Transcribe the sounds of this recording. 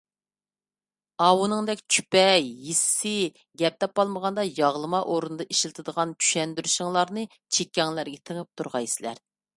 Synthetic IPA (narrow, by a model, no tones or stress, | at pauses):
ɑwunɨŋd̪ɛkʲt͡ʃʰy̥pɛjːisɪ̥sɪ | ɡʲɛp̚t̪ɛp̚ɑlˠməʁɑnd̪ɑjɑʁlˠɨmɑʔoɾunɨd̪ɑʔeʃlɪt̪ʰɨd̪əʁɑnt͡ʃʰy̥ʃɛnd̪yɾyʃɪŋlˠɑɾnɨ | t͡ʃʰekʲːɛŋlæɾɡʲɛt̪ʰəŋɨp̚t̪ʰuɾʁɑjsɪlæ̰ɾ